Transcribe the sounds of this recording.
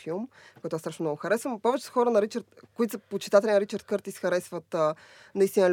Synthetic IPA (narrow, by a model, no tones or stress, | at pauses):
filˠmkoɔɛt̪ast̪ɾaʃnomnɔɡʊxɐɾɛsvəmpɔvɛt͡ʃɛ̥sə̥xɔɾənɐɾit͡ʃəɾt̪kʊit̪səpot͡ʃi̥t̪at̪ɛlʲinɐɾit͡ʃəɾd̪̚kɤɾt̪isxɐɾɛsvət̪ə | nɐist̪ʲinɐlʲ